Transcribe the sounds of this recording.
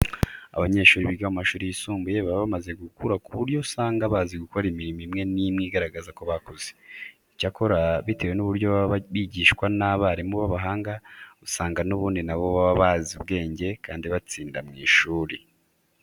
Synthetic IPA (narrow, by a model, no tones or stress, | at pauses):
a̰βaɲe̞ːʃuːɾiβiɡamumaʃuːɾijisuːmbujeβaββamaze̞ɡukuɾakuβuɾjo̞usaːŋɡaβaziɡukoɾimiɾimimŋe̞nimŋiːɡaɾaɡazako̞βakoz̥e | icako̞ɾaβite̞ːwe̞nuβuɾɟo̞βββiɟiːʃkwanaβaɾimuβaβaɦaːŋɡausaːŋɡanuβuːndinaβo̞βaβaβazuβɡe̞ːɲɟe̞kaːndiβat͡siːndamŋiːʃuːɾi